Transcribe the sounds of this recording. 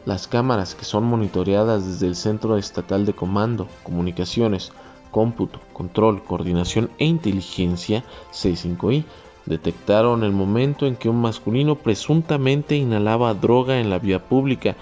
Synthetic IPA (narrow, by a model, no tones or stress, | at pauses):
laskamaɾaske̞̥so̞nmo̞nit̪o̞ɾeaðazðezðe̞ːlse̞nt̪ɾo̞e̞st̪at̪ald̪e̞ko̞mãnd̪o̞ko̞mũnikasjo̞ne̞s | ko̞mput̪o̞̥kont̪ɾo̞lko̞ːɾðinasjo̞ne̞int̪e̞lixe̞nsjase̞siŋko̞i | d̪e̞t̪e̞kt̪aɾo̞ne̞lmõ̞mẽ̞nt̪o̞e̞ŋke̞unmaskulino̞pɾe̞sunt̪amẽ̞nt̪e̞inalaβaðɾo̞ɣae̞nlaβiapuβlika